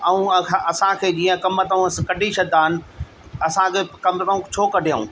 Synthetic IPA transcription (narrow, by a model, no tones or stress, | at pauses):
ɐũɐsãkʰeːd͡ʑiːə̃kɐmːət̪əũɐskɐɖʱit͡ɕʰɐd̪aːɦɪnɪ̆ | ɐsãkʰeːkɐmtəũt͡ɕʰoːkɐɖʱijṵ̃ː